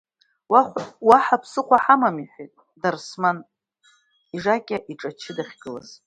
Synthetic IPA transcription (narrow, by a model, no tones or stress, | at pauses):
waχʷwaħapʰsɨqʷaħamamiħʷejtʼ | darsman | iʐakʲʼaʔiʈ͡ʂʼat͡ʃʰɪdaχʲɡɨla̰z̥